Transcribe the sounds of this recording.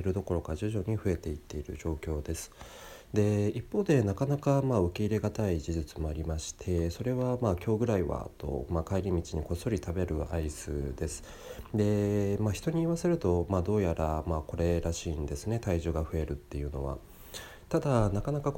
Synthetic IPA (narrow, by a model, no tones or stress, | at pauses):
eɾɯ̟d̪o̞ko̞ɾo̞kaʑɨʑo̞ɲ̟iɸɯ̟e̞t̪e̞it̪ːe̞iɾɯ̟̰ʑo̞ːkʲo̞ːd̪e̞sɨ̥ | d̪e̞ipːo̞ːd̪e̞nakanakamaɯ̟kʲe̞iɾe̞ɡat̪aid͡ʑiʑit͡sɨmo̞aɾʲimaɕi̥t̪ʰe̞so̞ɾe̞βamaːkʲo̞ːɡɯ̟ɾaiβa̰t̪o̞̰makaiɾʲimʲit͡ɕiɲ̟iko̞so̞ɾʲit̪ʰabe̞ɾɯ̟aisɨ̰ːd̪e̞sɨ̥ | d̪e̞maçi̥t̪o̞ɲ̟iːβase̞ɾɯ̟t̪o̞maːd̪o̞ːjaɾamaːko̞ɾe̞ɾaɕiːnd̪e̞sɨne̞t̪aiʑoːɡaɸɯ̟e̞ɾɯ̟t̪ːe̞jɯ̟no̞̰β̞a̰ | t̪ad̪anakanakak